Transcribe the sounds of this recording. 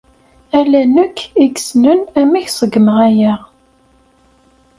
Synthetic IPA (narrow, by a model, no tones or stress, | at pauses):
ælænəkʰːiɡsnənæmæçsˤəɡməʁæjæʁ